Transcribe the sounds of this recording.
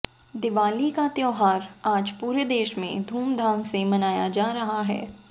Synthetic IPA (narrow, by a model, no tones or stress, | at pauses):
d̪ɪʋaːlikat̪jɛːɦaːɾaːd͡ʒpuːɾed̪eːʃmḛ̃d̪ʱuːmd̪ʱaːŋsemɐnaːjad͡ʒaːɾɐɦaɦɛ̰ː